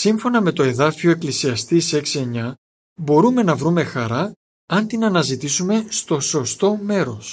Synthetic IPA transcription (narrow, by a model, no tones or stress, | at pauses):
siɱfo̞nɐme̞t̪o̞e̞ðɐfio̞eklisiɐst̪ise̞ksie̞ɲɐ | bo̞ɾume̞nɐvɾume̞xɐɾɐ | ɐnt̪inɐnɐzit̪isume̞st̪o̞so̞st̪o̞me̞ɾo̞s